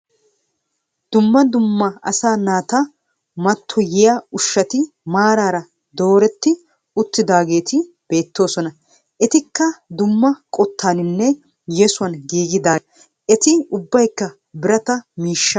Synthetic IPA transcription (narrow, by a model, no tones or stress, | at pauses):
d̪̥ʊmːɐd̪ʊmːɐɐ̰saːnaːt̪ɐ | mɐt̪ʰːɔjɪjaʊʃːɐt̪ɪ | maːɾaːɾɐ | d̪o̞ːɾɛt̪ːɪ | ʊt̪ːɪd̪aːɡe̞ːt̪ɪ | b̥e̞ːt̪ːo̞ːsɔnɐ | ɛt̪ɪkːɐd̪ʊmːɐkʼɔt̪ʰːaːnɪnːɛ | jɛsʊɐnɡiːɡɪd̪aː | ɛt̪ɪʊbːɐjkːɐ | bɪɾɐt̪ɐmiːʃːɐ